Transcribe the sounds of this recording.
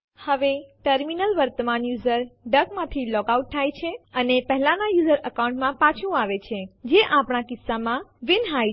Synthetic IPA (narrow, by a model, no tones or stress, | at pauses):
həʋeʈəɾminəlʋəɾt̪əmanjuzəɾɖəkmãt̪ʰilɔkauʈ̚t̪ʰajt͡ʃʰeənepəɦɛlãnajuzəɾəkawuɳʈmãpãt͡ʃʰũaʋet͡ʃʰed͡ʒeʔapɳ̃akɪsːamãʋɪnɦaj